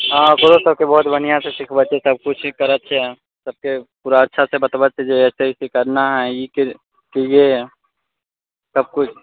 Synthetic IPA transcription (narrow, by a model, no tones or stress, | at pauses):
ãkoɾosəb̚kebɔɦʊt̪bənijaseʃɪkʰbət̪ːt͡ʃesɐb̚kʊt͡ʃʰkəɾət̪ːt͡ʃʰɛ | səb̚kepuːɾaətːʃʰasebət̪bət̪t͡ʃʰed͡ʒeɛːsəɦisekəɾnaɦɛjike | keje | səb̚kʊt͡ʃʰ